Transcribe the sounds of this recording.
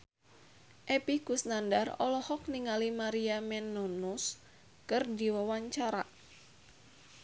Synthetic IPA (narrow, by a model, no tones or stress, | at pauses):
ʔɛpiɡusnandarɔ̰lɔhɔk̚niŋalimaɾiamɛnɔnus | kɨrdiwawaɲt͡ʃaɾa